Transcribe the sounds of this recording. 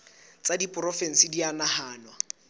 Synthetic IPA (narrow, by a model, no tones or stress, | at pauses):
t͡sadipʼrɔfɛn̩sidianahaːnwa